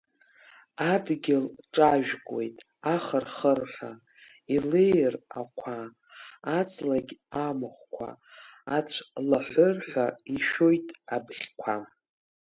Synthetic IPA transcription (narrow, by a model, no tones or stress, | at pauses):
adɡʲɪlʈ͡ʂʼaʒᶣkʷʼwe̞̰jtʼ | aχərχərħʷa | ilejra̰kʷʰaː | t͡sʼlaɡʲamɨχʷkʷʰa̰ː | t͡ɕʷʰlaħʷʊrħʷᶣaiʃo̞jtʼabχʲkʷʰam